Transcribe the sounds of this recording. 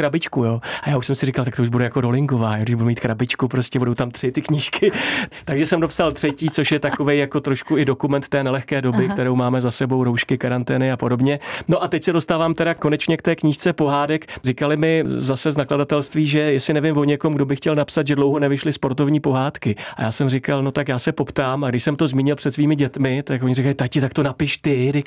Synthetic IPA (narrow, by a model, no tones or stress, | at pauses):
kɾabɪt͡ʃkujoːajaːuʃsɛmsɪrikalt̪akt̪ouʒbudɛjako̞do̞lɪŋɡo̞vaːjoɡdɪʒbudɛmiːt̪kɾabɪt͡ʃkupɾo̞scɛbudo̞wt̪amt̪r̥ɪt̪ɪkɲɪʃkɪt̪aɡʒɛsɛmdopsalt̪r̥ɛciːt͡so̞ʃjɛt̪ako̞vejjako̞t̪ɾo̞ʃkuɪdo̞kumɛnt̪t̪ɛːnɛlɛxkɛːdo̞bɪk̚t̪ɛɾo̞wmaːmɛzasɛbo̞wɾo̞wʃkɪkaɾant̪ɛːnɪapo̞do̞bɲɛno̞ʔat̪ɛcsɛdo̞st̪aːvaːmt̪ɛɾako̞nɛt͡ʃɲɛk̚t̪ɛːkɲiːʃt͡sɛpo̞ɦaːdɛkrɪkalɪmɪzasɛznakladat̪ɛlst̪viːʒɛjɛsɪnɛvɪmvo̞ɲɛkomɡdo̞bɪxcɛlnapsat̪ʒɛdlowɦo̞nɛvɪʃlɪspo̞ɾt̪o̞vɲiːpo̞ɦaːt̪kɪa̰jaːsɛmrɪkalno̞t̪akjaːsɛpo̞pt̪aːmaɡdɪʃsɛmt̪ozmiːɲɪlpr̥ɛt̪sviːmɪɟɛt̪mɪt̪ako̞ɲɪrɪkalɪt̪akcɪt̪ak̚t̪o̞napɪʃt̪ɪdɪk